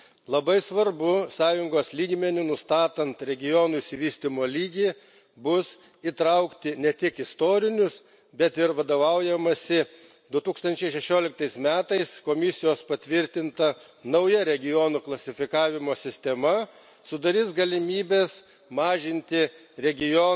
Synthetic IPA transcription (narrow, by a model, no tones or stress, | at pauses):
lˠɐbɐɪsʋɐɾbʊsɑːjʊŋɡoːslʲiːɡmʲɛnʲʊnʊst̪ɑːt̪ɐnt̪ɾʲɛɡʲɪjɔːnuɪʃʲsʲɪʋʲiːsʲt̪ʲɪmoːlʲiːɡʲiː | bʊs | it̪ɾɐʊkt̪ʲɪnʲɛt̪ʲɪkɪst̪oːɾʲɪnʲʊs | bʲɛt̪ɪɾʋɐd̪oːʋɐʊjɛmɐsʲɪ | d̪ʊt̪uːkst̪ɐnʲt͡ʃʲɛɪʃʲɛʃʲoːlʲɪk̚t̪ɐɪsmʲæːt̪ɐɪskoːmʲɪsʲɪjoːspɐt̪ʲʋʲɪɾʲt̪ʲɪnt̪ɐ | nɐʊjɛɾʲɛɡʲɪjoːnuːklˠɐsʲɪfʲɪkɑːʋʲɪmoːsʲɪsʲt̪ʲɛmɐ | sʊd̪ɐɾʲiːsɡɐlʲɪmʲiːbʲeːs | mɑːʒʲɪnʲt̪ʲɪ | ɾʲɛɡʲɪjo